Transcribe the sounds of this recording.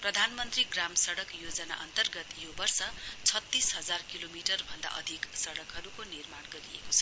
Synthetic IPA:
prʌd̪ʱanmʌnt̪riɡramsʌɽʌkjod͡zʌna̰ʔʌnt̪ʌrɡʌt̪jobʌrsʌt͡sʰʌt̪ːisɦʌd͡zarkilomiʈʌrbʱʌnd̪a̰ʔʌ̰d̪ʱiksʌɽʌkɦʌɾukonirmaɽɡʌɾiḛkot͡sʰʌ̥

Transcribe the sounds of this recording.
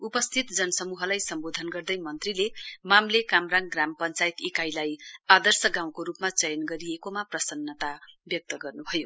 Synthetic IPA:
upʌst̪ʰit̪d͡zʌnʌsʌmuɦʌlajsʌmbod̪ʱʌnɡʌrd̪ʌjmʌnt̪rilemamlekamraŋɡrampʌnt͡sajt̪ikajlajad̪ʌrsʌɡãw̃koɾupmat͡sʌjʌnɡʌɾiekomaprʌsʌnːʌt̪abjʌk̚t̪ʌɡʌrnubʱʌjo

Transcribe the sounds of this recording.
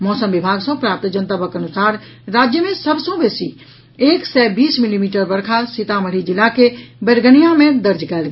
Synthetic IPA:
mɔːsəmbibʱaɡsə̃pɾap̚t̪d͡ʒənt̪abəkənusaɾ | ɾad͡ʒjəmẽsəbʱsə̃besi | eːksɛbiːsmilimiʈəɾbəɾkʰasit̪aməɾid͡ʒilːakebeɾɡənijamẽd̪əɾd͡ʒkɛlɡ

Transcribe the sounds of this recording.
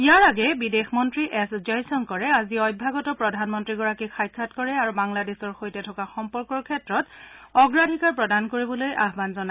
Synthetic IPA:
ijaɹaɡɛbidexmɔntɹiʔɛszɔjsɔnkɔɹɛaziɔjbʱaɡɔtɔpɹɔdʱanmɔntɹiɡɔɹakixajkʰːatkɔɹɛaɹubaŋladesɔɹxojtɛtʰɔkaxɔmpɔɹkɔɹkʰɛtɹɔtɔɡɹadʱikaɹpɹɔdankoɹibɔloja̰ɦbanzɔna

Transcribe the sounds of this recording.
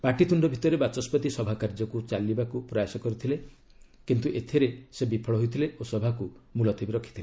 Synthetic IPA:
paʈit̪uɳɖɔbʱit̪ɔɾebat͡ʃɔspɔt̪isɔbʱakaɾd͡ʒɔkut͡ʃalibakupɾɔjasɔkɔɾit̪ʰile | kint̪uʔet̪ʰiɾesebipʰɔɭɔɦojt̪ʰileʔosɔbʱakumulɔt̪ʰibiɾɔkʰit̪ʰile

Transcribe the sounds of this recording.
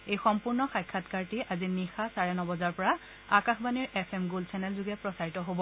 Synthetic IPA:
ejxɔmpuɹnɔxajkʰːatkaɹtiʔazinixasaɹɛnɔbɔzaɹpɔɹa | akaxbaniɹʔɛpʰɛmɡulsɛnɛlzuɡɛpɹɔsaɹitɔɦobɔ

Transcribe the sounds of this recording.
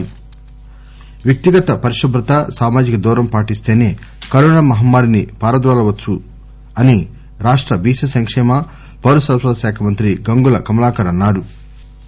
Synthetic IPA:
ʋjɐk̚t̪iɡɐt̪ɐpɐɾiʃɐb̪ɾut̪ɐsaːmaːd͡ʒikɐd̪uːɾɐmpaːʈist̪e̞ːneː | kɐɾoːnɐmɐɦɐmːaːɾinipaːɾɐd̪ɾaːlɐʋɐt͡ʃːu | ɐni | ɾaːʂʈɾɐbiːsɐsɐŋkʂɛːmɐ | pɐɾɐsɐɾsɐd̪ɐsaːkʰɐmɐnt̪ɾiɡɐŋɡulɐkɐmɐlaːkɐɾɐnːaːɾu

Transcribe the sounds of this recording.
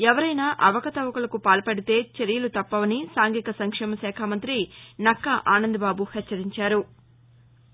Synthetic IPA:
ɛʋɐɾɐjnaːʔɐʋɐkɐt̪ɐʋɐkulɐkupaːlɐpɐɽit̪e̞ːt͡ʃeɾijɐlut̪ɐpːɐʋɐnisaːŋɡikɐsɐŋkʂɛːmɐsɛːkʰaːmɐnt̪ɾinɐkːɐʔaːnɐnd̪ibaːbuhɐt͡ʃːɐɾiɲt͡ʃaːɾu

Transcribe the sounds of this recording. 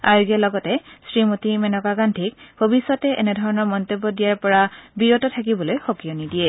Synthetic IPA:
a̰ɹɡijalɔɡɔtɛsɹimotimɛnɔkaɡandʱikbʱobisɔtɛʔɛ̰nɛdʱɔɹɔnɔɹmɔntebːɔdijaɹpɔɹabijotɔtʰakibɔlojxokijɔnidiɛ

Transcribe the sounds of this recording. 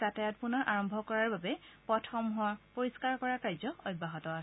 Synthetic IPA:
zatajɔtpunɔɹʔaɹɔmbʱɔkɔɹaɹbabɛpɹɔtʰɔmɦuaɹpoɹiskaɹkɔɹakajzɔɔjbʱːaɦɔtɔ

